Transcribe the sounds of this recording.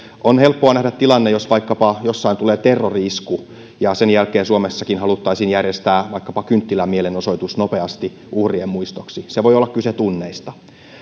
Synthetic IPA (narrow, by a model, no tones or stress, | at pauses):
onhelpːoɑnæhdæt̪t̪ːilɑnːejosʋɑikːɑpɑjosːɑint̪uleːt̪erːoriisku | jɑsenjælkeːnsuomesːɑkinhɑlut̪ːɑisiːnjærjest̪æːʋɑikːɑpɑkynt̪ːilæmielenoso̞it̪usnopeɑst̪i | ʔuhriemmuist̪oksiseʋoiolːɑkyset̪unːeist̪ɑ